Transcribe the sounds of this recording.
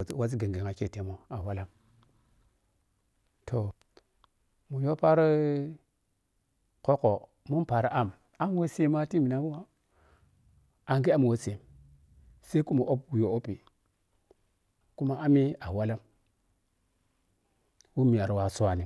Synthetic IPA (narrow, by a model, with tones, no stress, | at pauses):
wa˦s̬i˦ɡe˨ŋɡe˨ŋa˨ke˦˨te˦mo˦a˨wa˦la˦m | tʰo˨ | mu˨jo˦pa˦ɾ | ko˦ko˨ | mu˦npa˨ɾa˦ʔa˦˨m | a˦m˦we˦se˦ma˦ti˦mi˨na˦mu˦wa˦ | a˨ŋɡe˦a˦m˨we˦se˨m | se˦i˦ku˦mu˨ʔo˦pu˨jo˨o˦pi˨ | ku˦ma˦ʔa˦mi˦a˨wa˦la˦m | wu˦mi˨a˨ɾwa˨su˦wa˨ni˨